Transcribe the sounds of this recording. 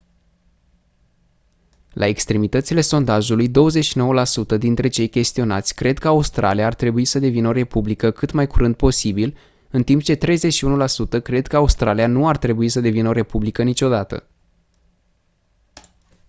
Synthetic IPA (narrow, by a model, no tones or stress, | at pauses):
lʔa̰e̞kst̪ɾe̞mit̪ət̪sile̞so̞nd̪aʒulujd̪o̞wəze̞t͡ʃʃino̞wəlasut̪əd̪int̪ɾe̞t͡ʃe̞jkʲe̞st̪io̞na̰t̪sʲkɾe̞d̪kəaust̪ɾʔa̰lijaːrt̪ɾe̞buisəd̪e̞vinəo̞ɾe̞publikəkɨt̪majkuɾɨnd̪̚po̞sibil | ɨnt̪imp̚t͡ʃe̞t̪ɾe̞jze̞t͡ʃʃiunulasut̪əkɾe̞d̪kəaust̪ɾalijanuart̪ɾe̞buisəd̪e̞vinəo̞ɾe̞publikənit͡ʃo̞d̪at̪ə̰